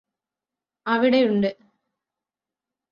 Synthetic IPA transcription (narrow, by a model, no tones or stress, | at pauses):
ɐʋiɽe̞juɳɖɨ